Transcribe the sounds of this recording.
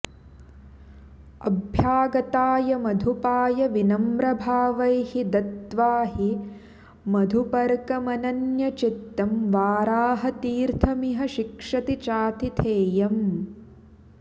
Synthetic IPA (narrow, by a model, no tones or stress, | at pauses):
ɐbʱjaːɡɐt̪aːjɐmɐd̪ʱupaːjɐʋinɐmɾɐbʱaːʋɐjhid̪ɐt̪ʋaːɦi | mɐd̪ʱupɐɾkɐmɐnɐnjɐt͡ʃit̪ːɐmʋaːɾaːɦɐt̪iːɾt̪ʰɐmiɦɐʃikʂɐt̪it͡ʃaːt̪it̪ʰeːjɐm